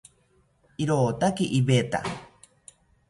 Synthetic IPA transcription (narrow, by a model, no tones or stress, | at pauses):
iɾoːt̪akiʔibet̪a̰